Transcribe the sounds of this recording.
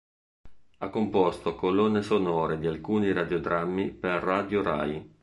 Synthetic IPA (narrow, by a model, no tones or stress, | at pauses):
akːompɔst̪okolonːesonoːɾed̪ialkuːniɾad̪jod̪ɾamːiperːad̪joɾa̰j